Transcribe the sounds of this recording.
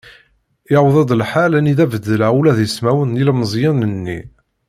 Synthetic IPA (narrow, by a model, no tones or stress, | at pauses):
ɪʕwðˤɑd̪ˤəlħalæniðævəd̪ːəlæulæðjəsmæwənilməzˤjɑnənːi